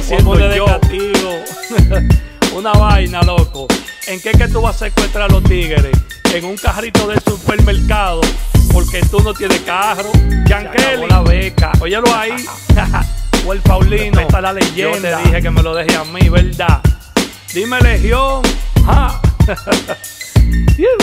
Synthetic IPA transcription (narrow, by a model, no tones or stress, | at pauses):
simoeðeoat̪iɣo | unaβajnalokoe̞ŋke̞ke̞t̪uβasekwe̞ht̪ɾaɾlo̞ht̪iɣeɾes | eŋuŋkaɦɾit̪o̞ðesupe̞ɾmeɾkaðopo̞ɾke̞t̪unot̪jenekahɾokaŋkeliaβeka̰ʔojeloai | we̞lpawlinoet̪alaleʝennd̪adihekemelo̞ðeɦeamĩβeɾd̪a | d̪imele̞ɦjoŋha